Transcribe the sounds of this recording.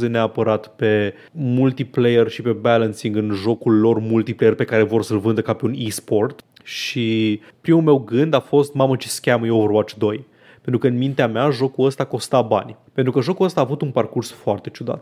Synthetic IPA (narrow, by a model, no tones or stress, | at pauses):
zeneapəɾat̪pe̞ | mult̪iplejerʃipe̞bælənsiŋɡɨnʒo̞kulːo̞rmult̪iplejerpe̞kaɾe̞vo̞rsəlvɨnd̪əkape̞unispo̞rt̪ | ʃi | pɾimulme̞wɡɨnd̪afo̞st̪mamət͡ʃi̥skʲaməjewvorwat͡ʃi̥d̪o̞j | pent̪ɾukəɨnmint̪eameaʒo̞kuləst̪ako̞st̪aba̰nʲpent̪ɾukəʒo̞kuəst̪aːvut̪unparkursfoart̪e̞t͡ʃud̪a̰t̪